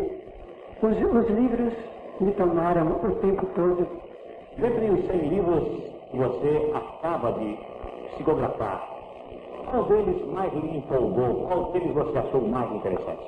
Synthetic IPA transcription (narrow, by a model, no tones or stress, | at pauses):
zʊzlivɾʊsmɪt̪omaɾɐ̃w̃ʊt̪ẽmpʊt̪od̪ʊ | d̪ẽd̪ɾʊʊsẽj̃livɾʊskɪvoseakabɐd͡ʒ̪ɪ | pi̥sikoɡɾafa̰ɾ | kwawd̪elɪzmajzlĩpowɡowkawd̪elɪzvoseaʃowmajzĩt̪eɾḛsɐ̰̃t͡ʃɪ̥